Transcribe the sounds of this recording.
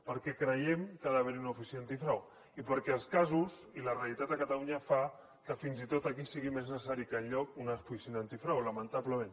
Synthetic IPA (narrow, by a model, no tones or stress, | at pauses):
pəɾkɛkɾəjɛmkaðaβ̞eɾiunaufisiant̪ifɾaw | ipəɾkɛəlˠskazuzilarealit̪at̪əkat̪aluɲafa | kəfinzit̪ot̪akisiɣimeznəsaɾikəʎʎɔkunafisond̪ant̪ifɾawləmənt̪apləmẽn